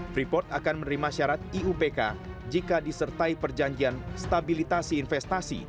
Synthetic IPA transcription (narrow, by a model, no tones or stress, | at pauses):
ɾipɔrt̪akanmənɾimaʃaɾat̪̚iupeka̰ | d͡ʒikadisərt̪aipərd͡ʒaɲd͡ʒianst̪abilit̪asiːnfɛst̪asḭ